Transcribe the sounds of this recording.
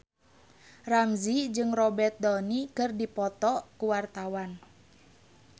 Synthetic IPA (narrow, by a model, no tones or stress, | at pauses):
ramzid͡ʒɨŋrɔbɛrt̪̚dɔnikɨrdipɔt̪ɔkuwart̪awan